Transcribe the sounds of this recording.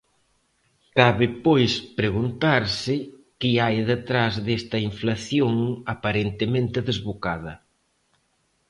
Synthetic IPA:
kaβɪpojspɾeɣunt̪aɾsɪ | kiajðɪt̪ɾazðest̪ɐiɱflaθjoŋapaɾent̪emẽnt̪ɪðezβokað̞ɐ

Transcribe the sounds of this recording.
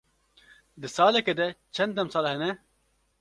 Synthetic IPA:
d̪ɨsaːlɛked̪ɛt͡ʃʰɛnd̪ɛmsaːlhɛnɛ

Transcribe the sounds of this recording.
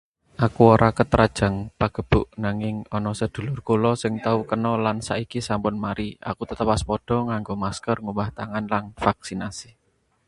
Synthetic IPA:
ʔakuoɾʔakət̪ɾʔad̥ʒ̥a̤ŋpaɡ̥ə̤b̥ʊʔnaŋɪŋɔnɔsəd̪̥ṳlʊrkulɔsɪŋt̪aukənɔlansa̰ikisampʊnmaɾia̰kut̪ət̪əwaspɔɖ̥ɔ̤ŋaŋɡomaskərŋubaht̪aŋanlanfak̚sinasi̥

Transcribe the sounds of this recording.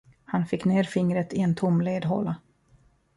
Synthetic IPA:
hanfɪkːneːɾfɪŋɾət̪ɪɛnt̪ʰʊmleːd̪ɦo̰ːla

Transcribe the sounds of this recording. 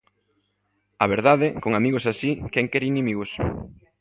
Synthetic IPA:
aβeɾðaðɪkoŋamiɣʊsasikɛŋkɛɾinĩmiɣʊs

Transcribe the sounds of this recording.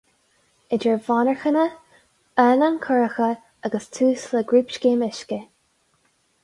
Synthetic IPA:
ɪd͡ʒəɹvɑːnəɹxənə | ɛːnankʰʊɹəxə | aɡəstʰuːsləɡɹiːpʃkeːmɪʃkə

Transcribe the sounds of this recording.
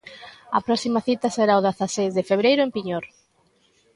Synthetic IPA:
ɐ̰pɾɔsimaθit̪ɐseɾaoðaθasejzðefeβ̞ɾejɾʊempiɲoɾ

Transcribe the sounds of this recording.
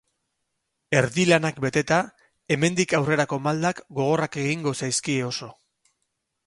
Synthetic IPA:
e̞ɾðilanakbe̞t̪e̞t̪a | e̞me̞nd̪ikawre̞ɾako̞mald̪akɡo̞ɣ̞o̞rake̞ɣiŋɡo̞sajskieo̞so̞

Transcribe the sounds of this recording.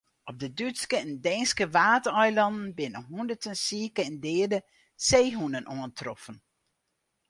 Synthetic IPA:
ʔɔp̚dədytskəɛndɛnskəʋaːtəœjlɑndən̩bɪnəɦundətənsiːkəɛndɪːədə | seːɦunənʔoəntrɔfən

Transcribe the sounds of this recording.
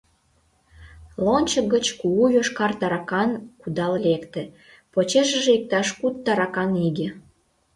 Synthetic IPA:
lonʲt͡ɕəɡət͡ɕkuujøʃkɑrt̪ɑɾɑkɑnkud̪ɑllekt̪ĕ | pot͡ɕeʃə̆ʒeik̚t̪ɑʃkut̪ːɑɾɑkɑniɡʲe

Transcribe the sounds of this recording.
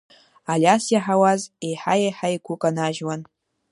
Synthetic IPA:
alʲasjaħawazejħajejħajkʷʰʊkʼanaʒwan

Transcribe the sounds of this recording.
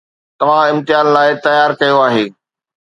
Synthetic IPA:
t̪ɐʋ̤ãɪ̃mt̪ɪjaːnlaːɪt̪ɐjaːɾkɐjoaːɦeː

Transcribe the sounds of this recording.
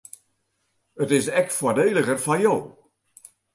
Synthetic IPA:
ətɪsɛkfwɔdeːləɣərfajoː

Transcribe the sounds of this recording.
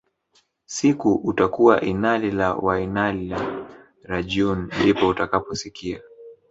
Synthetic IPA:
sikuʔutakuaʔinalilawainalila | ɾaʄundipɔutakapɔsikia

